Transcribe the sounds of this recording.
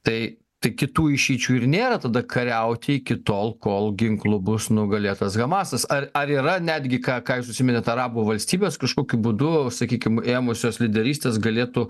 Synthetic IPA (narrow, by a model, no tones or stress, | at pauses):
t̪ɐɪ | t̪ɐɪkʲɪt̪uːɪʃʲiːt͡ʃʲuːɪrnʲeːɾɐt̪ɐd̪ɐkʰɐɾʲɛʊt̪ʲɪɪkʲɪt̪oːlˠkoːlˠɡʲɪŋklˠʊbʊsnʊɡɐlʲeːt̪ɐsɡɐmɑːsɐsɐrɐɾiːɾɐnʲæd̪ʲɡʲɪkɑːkɑːjɪsʊʃsʲɪmʲɛnʲɐt̪ɐɾɑːbuːʋɐlʲsʲt̪ʲiːbʲeːskɐʃkoːkʲʊbʊd̪ʊsɐkʲiːkʲɪmeːmʊsʲoːslʲɪd̪ʲɛɾʲiːsʲt̪ʲeːsɡɐlʲeːt̪uː